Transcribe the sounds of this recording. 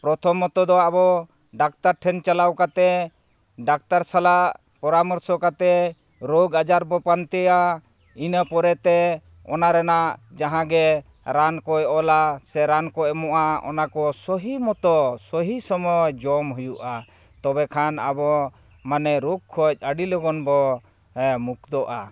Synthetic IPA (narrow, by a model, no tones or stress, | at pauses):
pɾɔt̪ʰɔmːɔt̪ɔd̪ɔabɔ | ɖak̚t̪aɾʈʰɛnt͡ʃalawkat̪ɛ | ɖak̚t̪aɾsalaʔ | pɔɾamɔɾsɔkat̪ɛ | ɾoɡad͡ʒaɾbɔpant̪ɛja | inəpɔɾɛt̪ɛ | ɔnaɾɛnaʔd͡ʒaɦãɡɛ | ɾankɔjɔlasɛɾankɔɛmɔʔaɔ̰nakɔsɔɦimɔt̪ɔsɔɦisɔmɔjd͡ʒɔmɦujuʔa | t̪ɔbɛkʰana̰bɔ | manɛɾukʰːɔc̚əɖilɔɡɔnbɔ | muk̚d̪ɔʔa̰